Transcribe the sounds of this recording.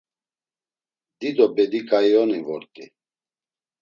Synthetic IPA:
d̪id̪ɔbɛd̪ikʼajɔnivɔɾt̪ʼi

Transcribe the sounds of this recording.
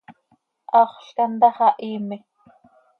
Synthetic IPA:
ʔɑːχɬkand̪ɑχɑʔiːmɪ

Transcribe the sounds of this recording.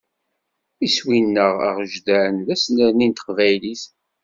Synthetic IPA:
iswinːəʁə̰ʁʒd̪æənðæsnəɾnint̪ə̥qvæjliθ

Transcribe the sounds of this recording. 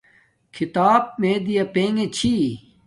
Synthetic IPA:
kʰit̪aːb̚mẽːd̪ijɐpeːŋɡet͡ɕʰi

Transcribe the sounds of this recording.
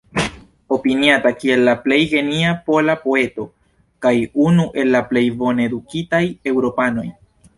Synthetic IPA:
o̞piniatakie̞lːaple̞jɡe̞niapo̞lapo̞e̞to̞ | kajunuʔe̞lːaple̞jvo̞ne̞dukitaje̞wɾo̞pano̞j

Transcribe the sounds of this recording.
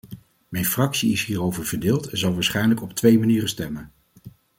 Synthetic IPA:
mɛjnfrɑksiɪsɦiːrowvəɹvəɹdɪːlˠtɛnzɑlˠʋaːɹsχɛjnləkɔptʋejmaniːrənstɛmən

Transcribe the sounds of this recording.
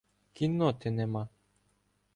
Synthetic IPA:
kinːot̪enema

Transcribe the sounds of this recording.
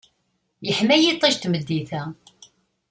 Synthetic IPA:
jəħmæjit̪ˤːeʃt̪məd̪ːiθæ

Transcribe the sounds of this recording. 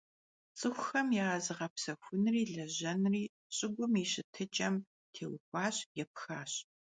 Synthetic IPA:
t͡sʼɨxʷʊxɐmjɛːzɨʁɐpsɐxʷʊnriːɮɐʑɐnriː | ɕʼɪɡʷʊmiɕɪtʰɨt͡ʃʼɐm | tʰeːwʊxʷɑːɕjɛp̚xaːɕ

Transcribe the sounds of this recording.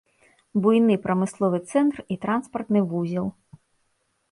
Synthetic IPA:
bujnɨpɾɐmɨslˠɔvɨt̪sɛnt̪rit̪ɾanspɐrt̪nɨvuzʲilˠ

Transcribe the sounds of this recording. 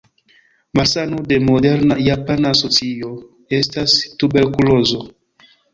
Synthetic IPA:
maɾsanode̞modeɾnajapanaːsot͡sio | estastubeɾkulozo

